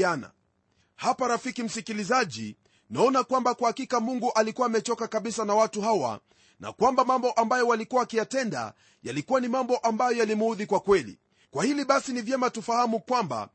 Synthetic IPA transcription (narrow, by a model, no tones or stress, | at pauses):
ana̰ | hapaɾafikim̩sikilizaʄḭ | naɔnakwambakuhakikamuŋɡuʔalikuwaːmɛt͡ʃɔkakaɓisanawatuɦawa̰ | na̰kwambamambɔʔambajɔwalikuwakijatɛnda̰ | jalikuwanimambɔʔambajɔjalimuðikwakwɛlḭ | kwahiliɓasinivjɛmatufahamukwamba̰